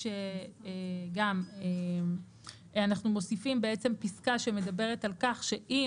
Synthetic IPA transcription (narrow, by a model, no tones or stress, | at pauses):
eeɡame | anaχnumo̞sifimbe̞et͡se̞mpiskaʃe̞me̞dabe̞ʁ̞etalkaχʃe̞ʔi